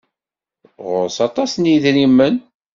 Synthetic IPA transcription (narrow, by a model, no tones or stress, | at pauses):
ʁʊɾsɑt̪ˤɑsnjiðɾimːən